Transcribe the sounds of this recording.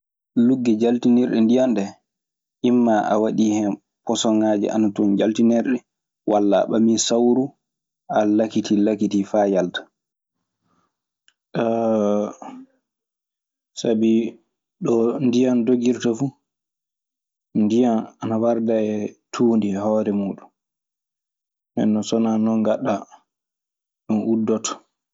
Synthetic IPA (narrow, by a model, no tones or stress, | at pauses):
luɡːɛd͡ʒaltinɛɾɗɛndijanɗɛ | ʔimːaʔa̰waɗihɛ | pɔsɔŋaːd͡ʒɛ̰ʔa̰natund͡ʒaltinɛɾɗɛ | wʔalːa̰ɓaminsawɾu | alakitilakitifaːjaltḁ | sabi | ɗɔndijandoɡiɾtafu | ndijananawaɾdaɛtʰuːndihɔːɾɛmuːɗun | ɛ̰nːɔsɔnanɔŋɡaɗːa | ɗɔnudːɔtɔ̥